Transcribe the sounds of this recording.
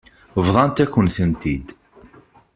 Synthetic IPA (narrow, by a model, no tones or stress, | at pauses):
vðˤɑnt̪ækːənθənt̪id̪